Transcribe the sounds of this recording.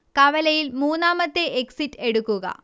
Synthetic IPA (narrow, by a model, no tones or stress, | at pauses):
kɐʋɐlɐjilmuːnːaːmɐt̪ːeʔeksitːe̞ɽukːuɣɐ̰